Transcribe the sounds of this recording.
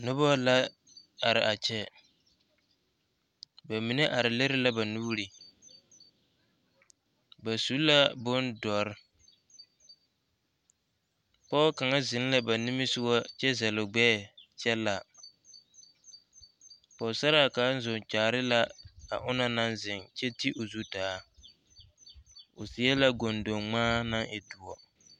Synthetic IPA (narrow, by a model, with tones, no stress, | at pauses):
nʊ˦bɔ˦la˦ | a˨ɾɪ˨ʔa˨t͡ʃɛ˦ | ba˨mi˨ne˦ʔa˨ɾɪ˨le˦ɾɪ˦la˦ba˨nu˦ɾi˨ | ba˨su˨˦la˦bʊ˦ndɔ˨ɾɪ˦ | pɔ˦ka˨ŋa˦zɪ˨n˦la˦ba˨ni˦mi˦sɪ˦wa˦t͡ʃɛ˦zɛ˨lʊ˨ɡ͡bɛː˦˨t͡ʃɛ˦la˨ | pɔ˨sa˦ɾa˦˨kaː˨˦n̩˦zʊ˨ŋt͡ʃaː˨ɾɪ˦la˦a̰˨ʔʊ˦na˦na˦nzɪ˨ŋt͡ʃɛ˦ti˦ʔo˨zu˦daː˨˦ | ʊ˨sɪ˨˦ɛ˦la˦ɡo˨ndo˨ŋŋ͡maː˦na˦ŋʔɪ˨dʊ˨wɔ˨